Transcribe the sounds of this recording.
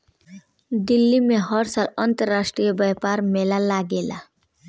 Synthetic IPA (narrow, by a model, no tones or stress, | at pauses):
d̪ɪlːimẽɦəɾsaːlə̃nt̪əɾːaːʃʈɾijebɛpaːɾmeːlalaɡeːla̰